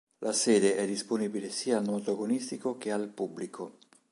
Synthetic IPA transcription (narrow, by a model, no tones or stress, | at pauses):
lʔasɛːd̪eʔɛd̪ːisponiːbilesiːaːlnot̪oɡonist̪ikok̟ealpubːlikʰo